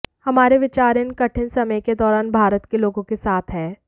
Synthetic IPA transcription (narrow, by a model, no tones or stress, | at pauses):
hɐmaːɾeʋɪt͡ʃaːɾɪnkɐʈʰɪnsɐməjked̪ɔːɾaːnbʱaːɾət̪keloːɡõkesaːt̪ʰɦɛ̃ː